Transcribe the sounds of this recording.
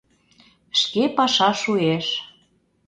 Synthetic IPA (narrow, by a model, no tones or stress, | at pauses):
ʃkepɑʃɑʃueʃ